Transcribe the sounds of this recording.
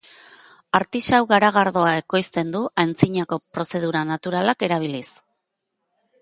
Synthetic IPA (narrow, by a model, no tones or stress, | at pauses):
aɾt̪isawɣaɾaɣ̞aɾðo̞ae̞ko̞jst̪e̞nd̪uʔajnt͡siɲako̞pɾo̞se̞ð̞uɾanat̪uɾalake̞ɾaβ̞ilis